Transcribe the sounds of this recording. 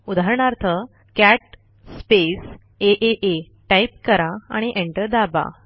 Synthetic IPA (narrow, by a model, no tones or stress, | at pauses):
ud̪ʱaɾɳaɾt̪ʰə | kæʈ̚ | spes | eʔeʔe | ʈajp̚kəɾaa̰ɽ̃iʔeɳʈəɾd̪aba̰